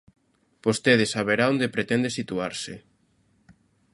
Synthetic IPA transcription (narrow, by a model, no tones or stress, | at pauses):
bost̪eð̞ɪsaβeɾaond̪epɾet̪ɛnd̪esit̪uaɾsɪ